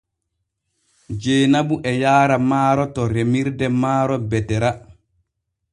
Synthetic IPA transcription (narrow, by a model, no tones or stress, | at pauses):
d͡ʒeːnabuʔɛjaːɾamaːɾɔtɔɾemiɾdɛmaːɾɔbɛtɛɾa